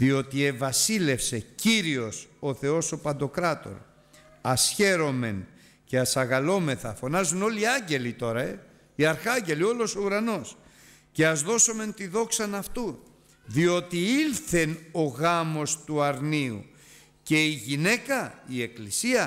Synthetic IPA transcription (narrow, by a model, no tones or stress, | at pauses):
ðio̞t̪ie̞vɐsile̞fse̞ciɾio̞so̞θe̞o̞so̞pɐnd̪o̞kɾɐt̪o̞̰ɾ | ɐsçe̞ɾo̞me̞n | ce̞ɐsɐɣɐlo̞me̞θɐ̰fo̞nɐzuno̞liɐɲɟe̞lit̪o̞ɾɐe̞ | iɐɾxɐɲɟe̞lio̞lo̞so̞uɾɐno̞s | ce̞ɐzðo̞so̞me̞nt̪iðo̞ksɐnɐft̪u | ðio̞t̪iilθeno̞ɣɐmo̞st̪uɐɾniṵ | ce̞iʝine̞kɐie̞klisiɐ